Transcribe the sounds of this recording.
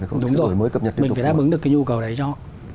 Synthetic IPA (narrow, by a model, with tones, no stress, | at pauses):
ɗʊ˨˦ŋ͡mzo˨˩˨məː˨˦jkə˨˩p̚ɲə˨˩˦mi˨˩faː˨˧˩a̰ː˧˥ʔɨ˨˦ŋɗɨ˨˩əkaː˨˦ɲu˧kə˨˩wɗə˨˦jt͡ɕɔ˧